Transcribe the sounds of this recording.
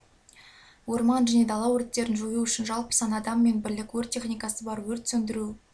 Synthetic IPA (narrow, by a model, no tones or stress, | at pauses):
wo̞ɾmɑnʒæne̞d̪ɑlˠɑwɵɾɪt̪ːe̞ɾɪnʒojuʏʃɪnʒɑlˠpə̥sɑnɑd̪ɑmːe̞nbɪɾlɪkʲwɵɾt̪ʲʰːe̞χnijkɑsəbɑɾwɵɾt̪sɵnd̪ɪɾu